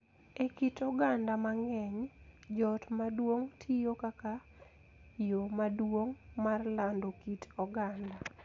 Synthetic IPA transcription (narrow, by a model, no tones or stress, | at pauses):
ekitɔɡandamaŋɛɲd͡ʒɔtmadwoŋtʰijokaka | jomadwoŋmarlandokitɔɡanda